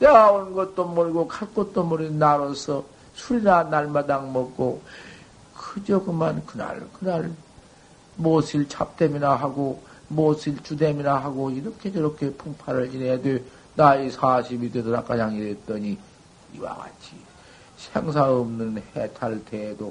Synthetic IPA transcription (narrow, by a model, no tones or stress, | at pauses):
teɡaonɯnɡʌt̚t͈omʌɭɡokʰaɭk͈ʌt̚t͈omʌɾinaɾʌsʰʌ | sʰuɾinanaɭmadaŋmʌkk͈o | kɯd͡ʑʌɡɯmankɯna̰ɭkɯnaɭ | mosʰiɭt͡ɕʰap̚t͈emiɾaɦaɡo | mosʰiɭt͡ɕudemiɾaɦaɡoiɾʌkʰed͡ʑʌɾʌkʰepʰuŋpʰaɾɯɭt͡ɕinejadwe | naisʰaɕʰibidedɯɾak͈ad͡ʑaŋiɾet̚t͈ʌɲi | ḭwa̰ɡa̰t͡ɕʰi | sʰeŋs̬ʰaɯmnɯnhetʰaɭtʰedo